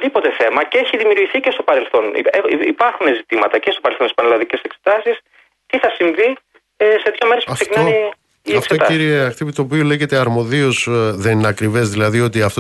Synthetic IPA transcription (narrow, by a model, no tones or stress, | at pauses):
ðipo̞t̪e̞θe̞mɐceeçiðimjuɾʝiθicest̪opɐɾe̞lθo̞nḭeipɐɾxunezit̪imɐt̪ɐcest̪opɐɾelθont̪ispɐnelɐðice̞sekset̪ɐsis | ciθɐsiɱvi | se̞t̪jɐme̞ɾespkseinɐi | ieɐfkseot̪ɐiɾieɐxt̪ipit̪oːpiole̞ʝe̞t̪e̞ɐɾmo̞ðio̞zðe̞nineɐkɾive̞zðilɐðio̞t̪iɐft̪o